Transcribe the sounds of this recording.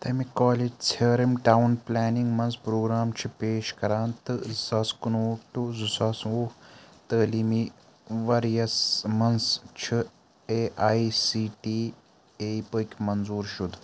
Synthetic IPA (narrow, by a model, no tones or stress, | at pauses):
t̪ɐmikaːlid͡ʒt͡sʰɐːɾimʈaːwunplaːniŋɡmɐnspɾoːɡɾaːmt͡ʃʰipeːʃkɐɾaːnt̪ɨzɐskunoːkt̪uzusɐsoːht̪əːlimi | ʋɐɾjɐsmɐnst͡ʃʰi | eʔaːisiːʈiː | eːipəːkʲmɐnzuːɾʃud̪